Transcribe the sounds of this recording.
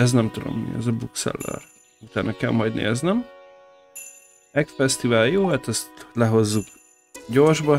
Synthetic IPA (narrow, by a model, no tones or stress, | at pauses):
ɛznɛmt̪ud̪o̞̰mːḭɛ̰zɒbuksɛ̰lːɛ̰r | ut̪aːnʔɒkɛ̰lmɒjd̪nḛːznɛm | ɛkfɛst̪ivaːljoːɛt̪ɛst̪lɛɦo̞zːuk | ɟo̞rʒbɒ